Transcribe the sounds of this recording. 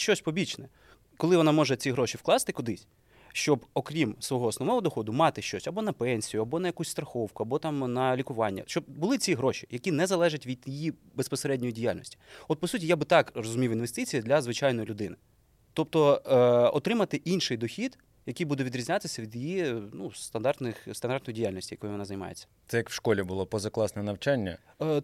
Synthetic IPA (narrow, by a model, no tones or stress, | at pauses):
ʃt͡ʃɔsʲpɔbʲit͡ʃnɛ | kɔlˠɪʋɔnɑmɔʒɛt͡sʲiɦɾɔʃʲiwklˠɑst̪ɪkʊd̪ɪsʲ | ʃt͡ʃɔbɔkɾʲimsʋɔɦɔɔːsnɔʋnɔɦɔd̪ɔxɔd̪ʊmɑt̪ɪʃt͡ʃɔsʲɐbɔnɐpɛnʲsʲijʊɐbɔnɐjɐkusʲst̪ɾɐxɔwkʊɐbɔt̪ɑmnɐlʲikʊʋɑnʲːɐ̰ʃt͡ʃɔb̚bʊlˠɪt͡sʲiɦɾɔʃʲi̥jɐkʲinɛzɐlˠɛʒɐtʲʋʲid̪jijibespɔseɾɛdʲnʲɔjidʲija̰lʲnɔ̰sʲtʲi̥ɔt̪̚pɔsutʲijabɪt̪ɑkrɔzʊmʲiwinʋest̪ɪt͡sʲijɐd̪lʲɐzʋɪt͡ʃɑjnɔjlʲʊd̪ɪnɪ | t̪ɔp̚t̪ɔɔt̪ɾɪmɐt̪ɪʔinʃɪjd̪ɔxʲid̪ | jɐkijbud̪ɛʋʲid̪ɾʲizʲnʲat̪ɪsʲɐʋʲid̪jijinust̪ɐnd̪ɑrt̪nɪxst̪ɐnɑɾrt̪njdʲijalʲnɔsʲtʲijɐkɔjʊʋɔnɑzɐnʲɪmɑ̰jḛt͡sʲːɐ̥t̪sɛjɐkwʃkɔlʲibʊlˠɔpɔzɐklˠɑsnɛnɐwt͡ʃanʲːɐ̰